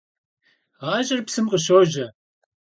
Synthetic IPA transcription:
ʁɑːʒɪrpsɨmqʼəʃoːʒɐ

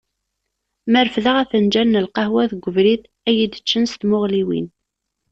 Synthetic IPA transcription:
məɾfðəʁæθənd͡ʒænːəlqɑhwæθɡʷːəvɾiθ | æjid̪ət͡ʃːənst̪mʊʁliwḭn

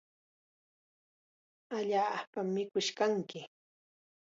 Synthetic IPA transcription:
aʎaːpamːɪkʊʃkaŋkɪ

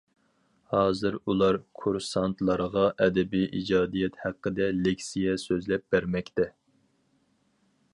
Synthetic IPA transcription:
hɑːzɨɾulˠɑɾkʰuɾsɑnt̪ʰlˠɑɾʁɑʔɛd̪ɛbijʔid͡ʒɑːd̪ijɛt̪hæqːəd̪ɛlekʲsijɛsøzlɛp̚b̥æɾmɛkʲt̪ɛ

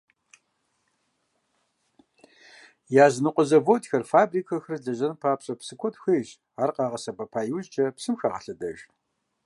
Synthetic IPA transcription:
jaːznɨqʷʼɔzɐvotxɐrfaːbriːkʰɐxrɮɐʑɐnpʰaːpɕʼɐpsɨkʷʰɔtʰxɐjʒ | aːrqɑːʁɐsɐbɐpʰaːjuzd͡ʒʼɐpsɨmxaʁɐ̰ɬɐdɐ̰ʒ

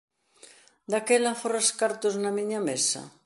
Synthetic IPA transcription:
d̪akɛlafoɾaskaɾt̪oznamiɲamesɐ̰

